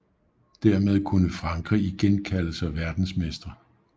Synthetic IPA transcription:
d̥æɐmeð̞ˠkʰunəfʁɑ̈ŋɡ̥ʰʁḭiɡ̥enkʰæl̰l̩səæʋæɐd̥n̩smesd̥ɐ

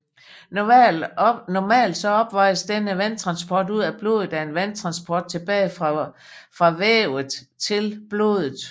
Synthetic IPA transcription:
nɒmɛ̰ːld̥sɒ̽ɒ̽b̥ʋɑ̈ɪ̰əsd̥enəʋænt͡sʰʁɑ̈nsb̥ɒːd̥uð̞̰ˠæb̥lo̝ð̩ˠæe̝nʋænt͡sʰʁɑ̈nsb̥ʰɒ̰ːd̥̚t͡sʰe̝b̥ɛːɪ | fʁɑ̈ʋeːʊð̩ˠt͡sʰe̝lb̥lo̝̰ːðˠð̩ˠ

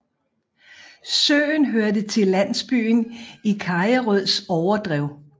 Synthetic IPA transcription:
sø̰ːnɦøɐd̥ət͡sʰe̝læn̰sb̥y̰ːnikʰɑ̈jəʁœð̰ˠsɒʊɐd̥ʁɛʊ̰

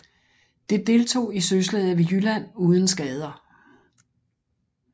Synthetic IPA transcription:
d̥e̝d̥e̝lt͡sʰo̝̰ːisøslɛð̩ˠʋe̝jylæn̰uːð̞ˠn̩sɡ̥ɛːð̞ˠɐ

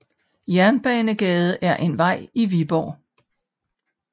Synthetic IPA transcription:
jæɐnb̥ɛːnəɡ̥ɛːð̞̩ˠʔæɐʔe̝nʋɑ̈ɪ̰iʋib̥ɒ̰ː

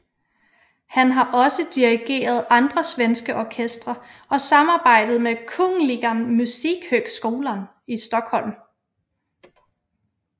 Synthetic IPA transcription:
hænɦɑ̈ʔɒ̽səd̥iʁiɡ̥e̝̰ːɐð̞ˠɑ̈nd̥ʁɐsʋensɡ̥əʔɒkʰesd̥ʁɐʔɒ̽sɑ̈mɑ̈ːb̥ɑ̈ɪ̰d̥ð̞̩ˠmekʰɔŋliɡ̥ɐnmusiɡ̥høɡ̥sɡ̥o̝ːlɐn | isd̥ɒ̽ɡ̥hɒ̽l̰m

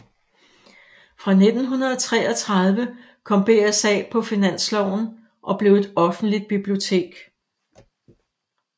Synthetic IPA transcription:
fʁɑ̈ne̝d̥n̩ɦunɐð̞̩ˠɒt͡sʰʁɛ̰ːɒ̽t͡sʰʁɑ̈ð̞ˠʋə | kʰɒ̽m̰b̥e̝ːæsɛ̰ːpʰɒ̽finæn̰slɒʊ̰n̩ | ʔɒ̽b̥le̝ʊe̝d̥ɒ̽fn̩d̥lid̥̚b̥ib̥lio̝t͡sʰe̝̰ːɡ̥

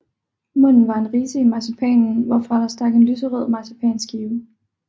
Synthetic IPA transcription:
mɔ̽n̰n̩ʋɑ̈e̝nʁiːsəimɑ̈sʰipʰɛ̰ːnn̩ʋɒfʁɑ̈d̥ɑ̈sd̥ɑ̈ɡ̥e̝nlysəʁœð̰ˠmɑ̈sʰəpʰɛ̰ːnsɡ̥iːʊə

